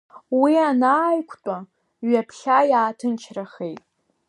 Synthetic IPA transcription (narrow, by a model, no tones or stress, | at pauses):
wianaːjkʷʰtʷʼa | ɥapʰɬajaːtʰɨnt͡ʃʰraχe̞jtʼ